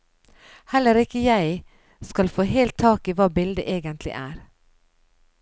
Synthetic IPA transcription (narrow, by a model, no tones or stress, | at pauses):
hɛlːəɾɪkəjæɪ | skɑlfoːɦeːlt̪ʰːɑːkiʋɑːbɪld̪əʔeːɡənt̪ʰlɪ̰ʔæːɾ